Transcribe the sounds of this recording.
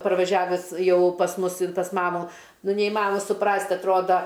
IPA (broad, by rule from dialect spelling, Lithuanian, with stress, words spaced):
pɐrʋɐˈʒʲæːʋʲɛs ˈjɛʊ pɐs ˈmʊs ɪn pɐs ˈmɑːmʊ ˈnʊ nʲɛɪˈmɑːnoːmɐ sʊˈprɐsʲtʲ ɐtˈroːdɐ